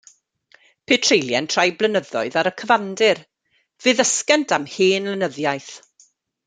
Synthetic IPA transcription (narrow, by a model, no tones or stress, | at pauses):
pʰetʰrejlˠjɛntʰr̥ajblənəðɔ̰ɨðaɾəkʰəvandɪr | v̥ɨːðəskɛntʰamheːnlənəðjajθ